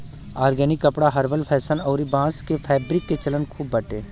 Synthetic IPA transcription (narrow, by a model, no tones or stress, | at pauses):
aːɾɡɛːnɪkːəpɽaɦɐɾʋəlpʰɛːsənɔːɾibãːskepʰɛːbɾɪkːet͡ʃələnkʰuːbːɐʈeː